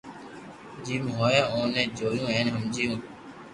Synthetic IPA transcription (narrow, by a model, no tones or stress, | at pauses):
d͡ʒiːmɦoːẽːõːnẽːd͡ʒoːjũːẽːnɦəmd͡ʒijũː